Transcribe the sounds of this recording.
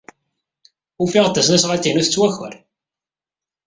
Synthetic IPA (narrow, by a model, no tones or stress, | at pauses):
ufiʁt̪ːæsnæsʁat̪ːinuθət͡sːwæçə̰ɾ